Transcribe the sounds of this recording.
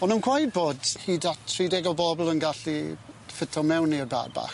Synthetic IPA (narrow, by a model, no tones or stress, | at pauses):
ɔnunkʰwajd̚boːdhiːdatʰːridɛɡɔlˠbɔblˠənɡaɬifɪtʰɔmɛwniərba̰rba̰χ